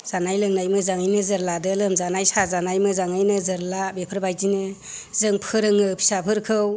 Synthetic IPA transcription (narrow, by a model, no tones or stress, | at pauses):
z̥anajlɯŋnajmɯzaŋɯjnɯzɯɾladɯlɯmzanajsazanajmɯzaŋɯjnɯzɯɾlabepʰɯɾbajzinɯ | zɯŋpʰɯɾɯŋɯpʰi̥sapʰɯɾkʰɯw